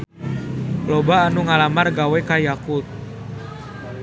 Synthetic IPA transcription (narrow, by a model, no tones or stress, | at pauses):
lobaːnuŋalamarɡawɛkajakut̪̚